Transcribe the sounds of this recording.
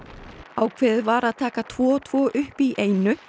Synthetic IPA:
aːwkʰv̥ɛːðɾvaɾaðt̪ʰaːkat̪ʰvɔːɔt̪ʰv̥ɔːʔʏhpiʔeːjnʏ

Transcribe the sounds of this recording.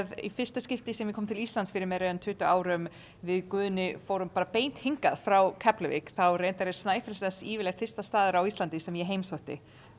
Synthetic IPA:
ðḭfɪr̥st̪ascɪft̪ɪsɛmjɛkʰɔːmt̪ʰɪlist̪lant̪sfɪɾɪɾmɛðɾœːðant̪ʰʏːht̪ʏaːwɾʏm | vɪðkʏːðʏnɪfoːwɾʏmpaːɾapeːjn̥t̪hiŋkaðfɾawkʰɛplɪvɪ̰kθawrejnt̪aɾɛɾ̥snaːjfɛlsɛsiːvɪlɛxt̪fɪ̥r̥st̪ast̪aːðʏɾawist̪lant̪ɪsɛmjɛɦejmsoht̪ɪ̰

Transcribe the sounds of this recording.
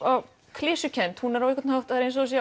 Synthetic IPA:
a | kʰlɪːsʏcʰɛnt̪hunɛɾawɛkvat̪nhawt̪ðaɾensɔsj

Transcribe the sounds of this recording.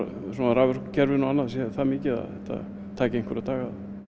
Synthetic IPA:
sɔnaðɾaːvɛrkcʰɛɾvɪnɔanːaðsjɛθamɪːcɪða̰θɛht̪a̰ | t̪ʰaːcɪejnŋ̥kʰvɔɾat̪ʰaːɣað

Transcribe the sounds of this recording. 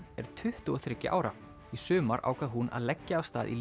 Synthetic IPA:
ɛɾ̥t̪ʰʏht̪ʏɔθɾɪcːɪ̰ʔa̰ːwɾa | isʏːmaɾʔa̰ːwkʰaðɦunʔa̰ðlɛcːaːvst̪a̰ːðʔḭl

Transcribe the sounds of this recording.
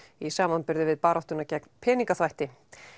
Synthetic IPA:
isaːmanpɪɾðɪvɪðpaːɾɔht̪ʏnacɛknpʰɛːniŋkaθvajht̪ɪ

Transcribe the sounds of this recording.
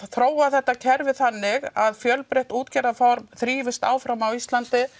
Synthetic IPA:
θɾoːwaθɛht̪ːacʰɛɾvɪθanːɪɣaðfjœlpɾeht̪uːt̪cɛɾðafɔɾmθɾiːvɪst̪a̰ːwfɾawmawist̪lant̪ɪ

